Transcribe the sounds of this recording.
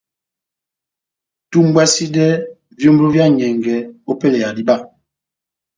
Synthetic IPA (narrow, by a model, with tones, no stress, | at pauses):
tu˦m˦bwɛ˦si˦dɛ˦ | vjo˦m˦bu˦vja˦˨ɲɛ˨ŋɡɛ˨o˦pe˦˨le˨ja˨di˦ba˦˨